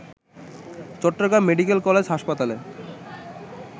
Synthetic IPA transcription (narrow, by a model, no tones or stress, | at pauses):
t͡ɕɔʈːoɡɾamːeɖikelkɔled͡ʑɦaʃpat̪ale